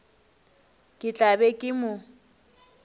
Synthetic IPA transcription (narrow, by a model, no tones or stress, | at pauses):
kʼɪt͡ɬʼabɛkʼɪmʊ